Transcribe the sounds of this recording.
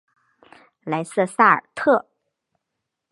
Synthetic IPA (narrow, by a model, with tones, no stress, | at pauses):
la˧˥ɪsɤ˥˧sa˥˩ə̰˨˩t̪ʰɤ˥˩